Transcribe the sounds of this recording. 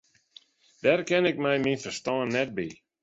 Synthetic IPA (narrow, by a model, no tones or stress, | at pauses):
d̥ɛːrkɪnɪk̚mɛjminfərstɔːnːɛt̚bi